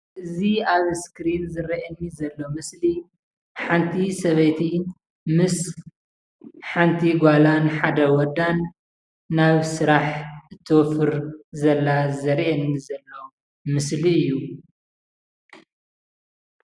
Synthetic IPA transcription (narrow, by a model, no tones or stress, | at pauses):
ʔɨziaβskɾinzɨɾɐʔɐnːizɐlːomɨsli | ħant̪ʰisɐβɐjt̪ʰi | mɨs | ħant̪ʰiɡʷalanħad̪ɐwɔd̪anː | aβsɨɾaħɨt̪ʰːɨwɔfɨɾzɐlːazɐɾʔɐnːizɐlːo | mɨsliɨjːu